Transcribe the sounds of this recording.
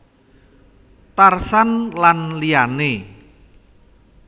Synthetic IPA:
t̪arsanlanliane

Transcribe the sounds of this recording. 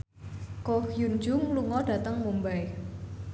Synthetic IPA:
kohjund͡ʒʊŋluŋɔɖ̥ä̤t̪əŋmumbaj

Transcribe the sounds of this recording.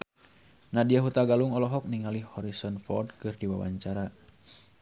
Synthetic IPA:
nadiaɦut̪aɡaluŋɔlɔɦɔk̚niŋalihhɔɾisɔnfɔrdkɨrdiwa̰wa̰ɲt͡ʃaɾa

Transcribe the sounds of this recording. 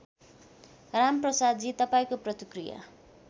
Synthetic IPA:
ramprʌsad̪d͡zit̪ʌpaĩkoprʌt̪ikrija̰

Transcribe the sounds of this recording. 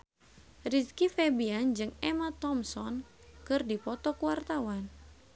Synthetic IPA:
riskifɛbiand͡ʒɨŋɛmat̪ɔmsɔn | kɨrdipɔt̪ɔkuwart̪awan

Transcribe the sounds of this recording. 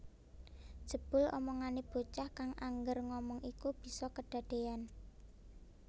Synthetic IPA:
d̥ʒ̥ə̤b̥ʊ̤lɔ̰mɔŋaneb̥o̤t͡ʃahkaŋʔaŋɡərŋɔmɔŋikub̥i̤sɔkəɖ̥a̤ɖ̥e̤an

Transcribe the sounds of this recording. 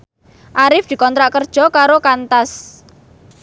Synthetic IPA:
ʔaɾɪfd̪̥i̤kɔnt̪ɾaʔkərd̥ʒ̥ɔ̤kaɾokant̪as

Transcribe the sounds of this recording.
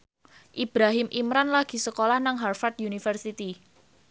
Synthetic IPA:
ʔib̥ɾaɦɪmʔimɾanlaɡ̥i̤səkolahnaŋɦarfat̪̚junifərsit̪i

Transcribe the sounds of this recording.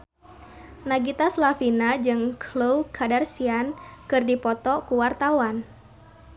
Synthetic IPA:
naɡit̪aslafinad͡ʒɨŋkʰlowkʰadarsiankɨrdipɔt̪ɔkuwart̪awan

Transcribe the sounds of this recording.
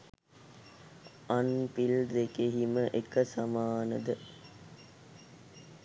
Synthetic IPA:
anpild̪ekeɦiməʔekəsamaːnəd̪ə

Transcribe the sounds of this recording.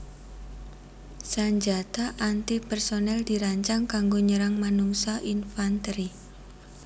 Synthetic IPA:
saɲd͡ʒat̪aʔant̪ipɛrsonɛldiɾaɲt͡ʃaŋkaŋɡoɲəɾaŋmanuŋsaʔinfant̪ɾi

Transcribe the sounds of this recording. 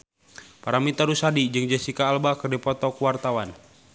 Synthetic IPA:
paɾamit̪aɾusadid͡ʒɨŋd͡ʒasikaːlbakərdɛpɔt̪ɔkuwart̪awan

